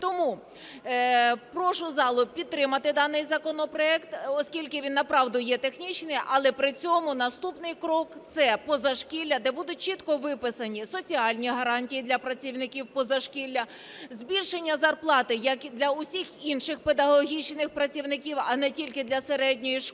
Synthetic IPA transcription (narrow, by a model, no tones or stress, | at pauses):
t̪ɔmu | pɾɔʃʊzɑlˠʊpʲid̪̚t̪ːɾɪmɐt̪ɪd̪ɑnɪjzɐkɔnɔpɾɔɛkt̪ɔskʲilʲkɪʋʲinːɐpɾɑwd̪ʊjɛt̪exnʲit͡ʃnɪjʔɐlˠɛpɾɪt͡sʲɔmʊnɐst̪upnɪjkɾɔkt̪sɛpɔzɐʃkʲilʲːɐd̪ɛbud̪ʊt̚ʲt͡ʃit̪kɔʋɪpɪsɐnʲisɔt͡sʲiɑlʲnʲiɦɐɾɑnʲtʲijid̪lʲɐpɾɐt͡sʲiwnɪkʲiwpɔzɐʃkʲilʲːɐ | zʲbʲilʲʃenʲːɐzɐrplˠɑt̪ɪjɐkd̪lʲɐʊsʲixinʃɪxped̪ɐɦɔɦʲit͡ʃnɪxpɾɐt͡sʲiwnɪkʲiwɐnɛtʲilʲkɪd̪lʲɐseɾɛdʲnʲɔjiʃ